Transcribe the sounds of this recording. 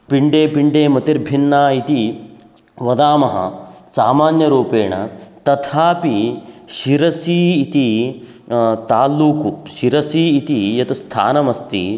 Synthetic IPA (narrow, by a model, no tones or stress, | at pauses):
piɳɖeːpiɳɖeːmɐt̪iɾbʱinːaːit̪i | ʋɐd̪aːmɐɦɐ̰saːmaːnjɐɾuːpeːɳɐ̰t̪ɐt̪ʰaːpiʃiɾɐsiːt̪i | t̪aːlːuːkuʃiɾɐsiːt̪ijɐt̪ɐst̪ʰa̰ːnɐmɐst̪ḭ